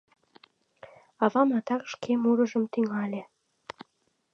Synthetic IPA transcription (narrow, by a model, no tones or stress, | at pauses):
ɑβɑmɑt̪ɑkʃkʰemuɾə̆ʒəmt̪yŋɑlʲe